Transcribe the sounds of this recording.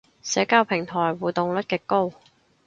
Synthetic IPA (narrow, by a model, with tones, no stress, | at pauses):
sɛː˨˧˥kaː˧˥wpʰɪ˨˩ŋt̪ʰɔː˨˩jwuː˨t̪ʊ˨ŋlɵ˥t̚kɛː˧ko˥w